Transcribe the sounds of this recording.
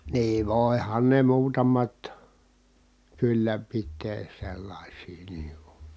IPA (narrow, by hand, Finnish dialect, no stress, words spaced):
niː ʋoˑi̯hɑn ne muːtɑmɑt kylːæ pitˑeː selːɑˑisiː niː ku